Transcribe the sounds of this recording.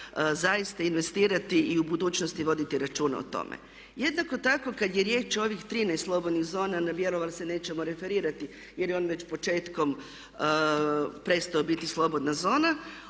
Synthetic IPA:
zajist̪ainʋe̞st̪iːɾat̪iiubud̪uːt͡ɕnost̪iʋo̞d̪it̪iɾat͡ʃuːna̰o̰t̪o̞̰mḛ | je̞d̪nako̞t̪ako̞kad̪jeɾje̞ːt͡ʃo̞ʋixt̪ɾinajst̪lˠo̞bod̪niɣzo̞ːnanaʋjeɾo̞ʋalˠse̞ne̞ːt͡ɕemoɾe̞fe̞ɾiːɾat̪i | jeɾjeo̞ːnʋe̞t͡ɕpo̞t͡ʃe̞ːt̪ko̞m | pɾe̞st̪aobit̪islˠo̞bo̞d̪nazo̞ːna

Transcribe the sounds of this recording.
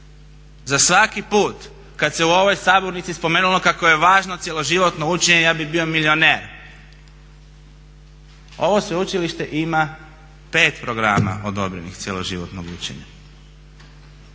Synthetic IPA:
zasʋakipuːt̪ | kat̪se̞uo̞ʋo̞jsaːboɾnit̪sispomeːnulo̞kakoje̞ʋaːʒnot̪sʲjelˠo̞ʒiʋo̞t̪nout͡ʃeɲejaːbibio̞milio̞neːɾ | o̞ʋo̞sʋeut͡ʃiliʃt̪e̞ʔima | pe̞ːt̪pɾo̞ɡɾaːma̰ʔo̞d̪o̞bɾe̞̰nixt̪sjelˠo̞̰ʒiʋo̰t̪no̰ɡṵt͡ʃḛɲa̰

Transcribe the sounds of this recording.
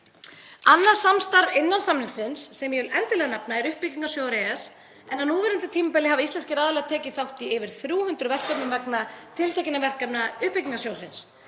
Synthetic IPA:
anːḁsamst̪aɾvɪnːansamɾɪsɪnsːɛmjɛʏlʔɛnt̪ɪlɛɣanapnaɛɾʏhpːiciŋkasjoːwɾɛas | ɛnhanuːvɛɾɪnt̪ɪt̪ʰiːmapɛlɪɦavaist̪ɛnscɪɾaːðalɛɣat̪ʰɛːcɪθawht̪iɪvɪɾ̥θɾjuːhʏnt̪ɾʏvɛr̥kapnɪvɛknat̪ʰɪlt̪ɛcɪnavɛr̥kapnaʏhpiciŋkasjoːwsɪns

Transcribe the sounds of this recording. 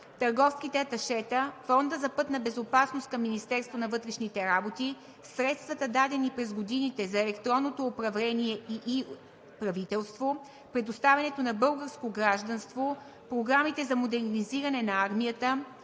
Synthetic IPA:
t̪ɐɾɡɔfskit̪ɛɐt̪ɐʃɛt̪əfɔnd̪əzɐpɤt̪nɐbɛzopasnost̪̚kɐmːinist̪ɛɾst̪vonɐvɤt̪ɾɛʃnit̪ɛɾabot̪i | sɾɛt̪st̪vɐt̪əd̪ad̪ɛnipɾɛzɡod̪init̪ɛzɐɛlɛkt̪ɾɔnːot̪oːpɾɐvlɛniɛiʔi | pɾɐvit̪ɛlˠst̪vo | pɾɛd̪ost̪avʲɐnɛt̪onɐbɤlˠɡəɾskoɡɾaʒd̪ɐnst̪vo | pɾoɡɾamit̪ɛzɐmod̪ɛɾniziɾɐnɛnɐaɾmijət̪ə

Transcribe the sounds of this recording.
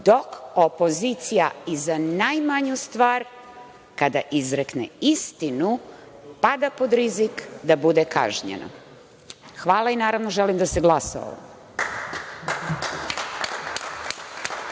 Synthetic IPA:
d̪o̞kopo̞zit̪sijaizanajmaɲust̪ʋaːɾ | kad̪aʔizɾeknḛist̪inupad̪apo̞d̪ɾizikd̪abud̪eka̰ʒɲḛnʔo̰ | xʋaːlˠainaːɾaʋno̞ʒelimd̪aseɡlˠasa̰o̰ʋo̰mm

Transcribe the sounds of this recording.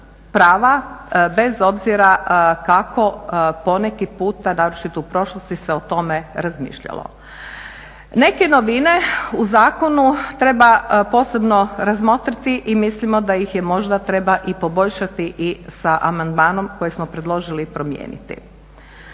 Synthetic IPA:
pɾaːʋabe̞zo̞bziɾakako̞po̞ne̞kipuːt̪anaʋɾʃit̪ɛupɾo̞ʃlˠost̪iseo̞t̪o̞me̞ɾazmḭːʃʎa̰lˠo̰ | ne̞ke̞no̞ʋine̞uzaːko̞nut̪ɾe̞bapo̞ːse̞bno̞ɾazmo̞t̪ɾit̪iʔimislimo̞d̪ajixjemo̞ʒd̪at̪ɾe̞baʔipo̞bo̞ʎʃat̪iʔisaʔamand̪maːno̞mko̞jesmopɾed̪lˠo̞ʒilipɾo̞mjḛːnḭt̪ḭ

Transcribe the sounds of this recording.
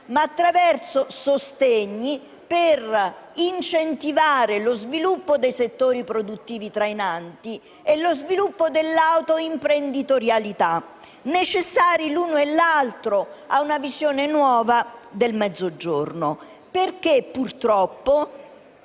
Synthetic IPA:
maːt̪ːɾavɛrsosost̪eɲːi | perint͡ʃent̪ivaːɾelozvilupːod̪ejset̪ːoːɾipɾod̪ut̪ːiːvit̪ɾainant̪i | elozvilupːod̪elːawt̪oimpɾend̪it̪oɾjalit̪a | net͡ʃesːaːɾiluːnoelːalt̪ɾoaunavizjoːnenwɔːvad̪elmɛd̪zːod͡ʒorno | perkepːurt̪ɾɔpːo

